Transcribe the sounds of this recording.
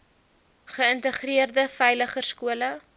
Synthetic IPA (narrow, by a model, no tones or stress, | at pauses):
χəəntəχriərdəfɛjləχərskuələ